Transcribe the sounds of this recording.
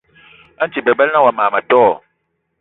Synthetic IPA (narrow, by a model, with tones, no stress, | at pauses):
a˦n˦t͡ʃi˨bɛ˨bɛ˦lnã˦wa˨mãː˨ma˨tɔ˦˨